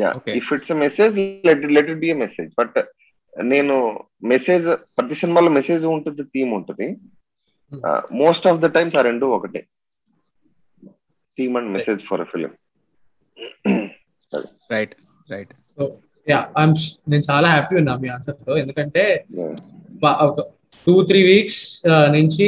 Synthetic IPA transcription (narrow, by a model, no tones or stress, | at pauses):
ja̰ːoːkeifiʈsemɛseːd͡ʒlɛʈilɛʈ̬iʈ̚biːemɛseːd͡ʒbɐʈ | ne̞ːnu | meseːd͡ʒpɾɐt̪isinimaːloːmɛseːd͡ʒuuɳʈund̪it̪iːmuɳʈund̪i | moːsʈɔːfd̪ɐʈajmsaɾeɳɖuɔkɐʈḭ | ʈiːmɐɳɖimɛseːd͡ʒfʰɔɾɐfil̰m | a̰d̪ | ɾɐjʈ | ɾɐjʈsoː | jaːajmne̞ːnut͡ʃaːlaːɦæːpiunːaːmiːaːnsɐɾt̪oːe̞nd̪ukɐɳʈe̞ːja̰ʋaʔɔkɐ | ʈuːt̪ʰɾiːʋiːksnuɲt͡ʃi